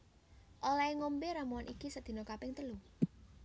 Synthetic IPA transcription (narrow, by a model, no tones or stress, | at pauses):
ʔolaeŋombeɾamuanʔikisəd̪̥i̤nokapɪŋt̪əlu